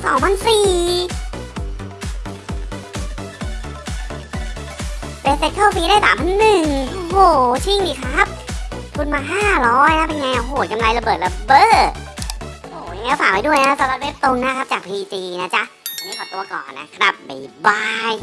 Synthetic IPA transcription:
sɔː˨˩˦ŋpʰa˧nsiː˨˩ | pe˧˥se˦˥t̚kʰaː˥˩fiː˧daː˥˩jsaː˨˦mpʰaː˧nːɯ˨˩ŋʔo˧hoː˨˩t͡ɕʰi˥˩ŋdiː˨˩kʰɾa˦˥p̚t̪ʰu˧nmaː˧ɦaː˥˩ɾɔː˦˥jna˦˥pe˧njŋa˧jʔa˧˩ɦoː˨˩ka˧mla˧jla˧bɤː˨˩t̪̚la˧bɤː˧˩t̪̚ | ʔoː˨˩ja˧ŋaː˧˦˥faː˨˩k̚pa˧jdu˥˩əjn˧a˦˥a˦˥saː˨˦la˧˦˥t̪̚we˦˥p̚t̪o˧ŋna˦˥kʰa˦˥p̚t͡ɕaː˨˩k̚pʰiː˧t̪iː˧na˦˥t͡ɕa˦˥ʔa˧ma˥˩jkʰɔ˨˩t̪uː˧ɐkɔ̰ː˨˩nːa̰˦˥kʰɾa̰˦˥p̚bḭ˨˩baː˧j

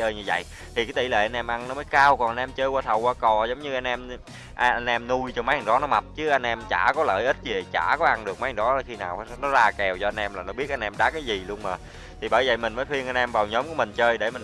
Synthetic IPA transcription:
t͡ɕəː˧jɲɨ˧və̰˧˨j | t̪ʰi˨˩kaː˨˦jt̪i˧˩lḛ˧˩ʔa˧nʔɛ˧mʔa˧nnɔ˨˦məː˨˦jkaː˧wkɔ˨˩nʔa˧nʔɛ˧mt͡ɕəː˧jkwaː˧t̪ʰə˨˩wkaː˧kɔ˨˩zə˨˦wŋ͡mɲɨ˧ʔa˧jn̟ʔɛ˧m | ʔn̟ʔɛ˧mnu˧jt͡ɕɔ˧ma˨˦jha˧˩ŋɗɔ˨˦nɔ˨˦ma˨˩t̚t͡ɕɨ˨˦ʔa˧jn̟ʔɛ˧mt͡ɕa̰ː˧˩kɔ˨˦ləː˧˩jʔi˦˥t̚zi˨˩ə˨˩jt͡ɕa̰ː˧˩kɔ˨˦ʔa˧nɗɨ˨˩ək̚ma˨˦ja˧˩ŋɗɔ˨˦a˨˩xi˧na̰ː˨˩wnɔ˨˦zaː˧kɛ˨˩wt͡ɕɔ˧ʔa˧ŋnʔɛ˧mlaː˨˩nɔ˨˦ɓi˦˥ət̚ʔa˧ŋnʔɛ˧mɗaː˨˦˥kaː˨˦jzi˨˩lu˧əŋməː˨˩ | t̪ʰi˨˩ɓəː˧˩jvə̰˧˨˩jmï˨˩ŋ̟məː˨˦jt̪wi˧əŋʔa˧jnʔɛ˧mvaː˨˩wɲɔ˨˦mku˧˩əmï˨˩ŋ̟t͡ɕəː˧jɗe˧˩mi˨˩

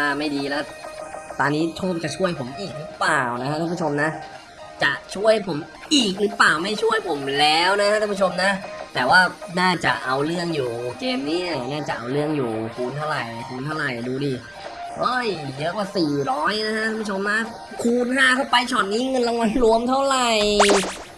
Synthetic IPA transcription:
aː˥˩ma˥˩jdiː˧lɛː˦˥˩t̪aː˧nːiː˦˥t͡ɕʰoː˥˩k̚t͡ɕa˨˩t͡ɕʰu˥˩əjpʰo˩˦mʔiː˨˩k̚ɾɯ˨˦plaː˨˩wna˦˥kʰa˥tʰaː˥˩pʰu˥˩t͡ɕʰo˧mna˦˥ʔ | t͡ɕa˨˩t͡ɕʰu˥˩əjpʰo˩˦m | ʔiː˨˩k̚ɾɯ˩˦˥plaː˨˩wma˥˩jt͡ɕʰu˥˩əjpʰo˩˦mlɛː˦˥wna˦˥kʰa˦˥aː˥˧pʰu˥˩o˧mna˦˥t̪ɛː˨˩waː˥˩naː˥˩t͡ɕa̰˨˩ʔʔa˧wɾɯ˥˩əŋjuː˨˩keː˧mni˦˥˩ɐ˩naː˥˩t͡ɕa˨˩ʔa̰˧wɾɯ˥˩əŋjuː˨˩kʰuː˧nt̪ʰa˥˩wɾa˨˩jkʰuː˧nt̪ʰa˥˩wɾa˨˩jduː˧diː˧ | ɾɔː˦˥˩jjɤ˦˥kwaː˧˩siː˨˩ɾɔː˦˥jna˦˥kʰa˦˥ʔʰaː˥˧˩pu˥˩o˧mna˦˥ | kʰuː˧nɦaː˥˩t̪ʰa˥˩wpa˧jt͡ɕʰɔː˨˩t̪̚niː˦˥ŋɤ˧nɾa˧ŋwa˧nlu˧˥əmt̪ʰa˥˩wɾa˨˩j

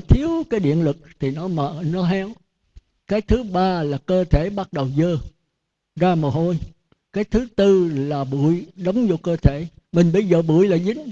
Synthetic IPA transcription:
t̪ʰi˨˦əwkaː˨˦jɗḭ˧˨ənlɨ˨˩k̚t̪ʰi˨˩nɔ˨˦mə̰ː˧˨˩nɔ˨˦ɦɛ˨˧˦w | kaː˨˦jt̪ʰɨ˨˦ɓaː˧laː˨˩kəː˧t̪ʰe˧˩ɓa˦˥t̚ɗə˨˩wzəː˧ | zaː˧məː˨˩ɦo˧j | kaː˨˦jt̪ʰɨ˨˦t̪ɨ˧laː˨˩ɓu˧˩əjɗə˨˦wŋ͡mzo˧kəː˧t̪ʰe˧˩mï˨˩ŋ̟ɓə˧jzəː˨˩ɓu˧˩əjlaː˨˩zï˨˦ŋ̟

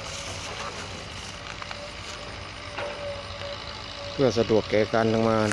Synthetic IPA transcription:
pʰɯ˥˩əsa˧du˨˩əkːɛː˨˧˩ka˧nda˧ŋmaː˧

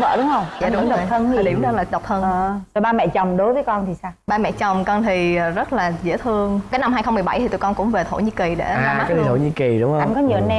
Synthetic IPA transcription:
və̰ː˧˨ɗʊ˨˦ŋ͡mhə˧wŋ͡maː˧˨ɗʊ˨˦˨t̪ʰə˧ni˨lḭ˧˩əmɗə˧laː˨˩ɗə˨˩wk͡p̚t̪ʰə˧nː˨˩t̪o˧˩jɓaː˧mɛ̰˧˨t͡ɕɔ˨˩wŋ͡mɗo˨˦jvəː˨˦kɔ˧nt̪ʰi˨˩saː˧wɓaː˧mɛ̰˧˨t͡ɕɔ˨˩wŋ͡mkɔ˧nt̪ʰi˨˩˨zə˦˥t̚laː˨˩zḛ˧˥t̪ʰɨ˧əŋkaː˨˦jna˧mha˧jxə˧ŋ͡mmɨ˨˩əjɓa˧˩jt̪ʰi˨˩t̪u˧˩kɔ˧nkʊ̰˧˥ŋ͡mve˨˩t̪ʰo̰˧˩ɲi˧ki˨˩ɗḛ˧˩aː˨˩aː˨˦j̪ʰi˨˩t̪ʰo̰˧˩ɲi˧ki˨˩ɗʊ˨˦ŋ͡mə˧ŋkɔ˨˦ɲi˨˩˨nɛ˧

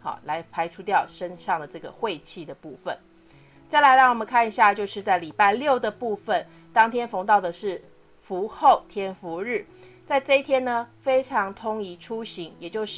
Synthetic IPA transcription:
hɑ̰˨˩la˧˥ɪpʰa˧˥ɪʈ͡ʂʰu˦t̪jɑ˥˨˩ʊʂə˦˥nʂɑ˥˩ŋd̪ə˩ʈ͡ʂɤ˥˩ɡə̰˩xwe˥˧ɪt͡ɕʰi˥˩d̪ə˩pu˥˩fə̰˨˩n | t͡ɕa˥˩ɪla˧˦ɪɻɑ˥˩ŋwɔ˨˩mə˦ŋkʰa˥˩ni˧ɕja˥˧t͡ɕjo˥˧ʊʂɻ̩˥˧t͡sa˥˩ɪli˨˩pa˥˧ɪljo˥˩ʊd̪ə˩pu˥˧fə˨n | t̪ɑ˥ŋt̪ʰjɛ˥nfo˧˥ŋt̪ɑ˥˩ʊd̪ə˩ʂɻ̩˥˩ | fu˨˧˥xo˥˨˩ʊt̪ʰjɛ˥nfu˧˥ɻɻ̩˥˩ | t͡sa˥˧ɪʈ͡ʂɤ˥˧i˥t̪ʰjɛ˥nnə˧fe˥ɪʈ͡ʂʰɑ˧˥ŋt̪ʰʊ˥ŋi˧˥ʈ͡ʂʰu˥˦ɕi˧˦ŋjɛ˨˩t͡ɕjo˥˧ʊʂ

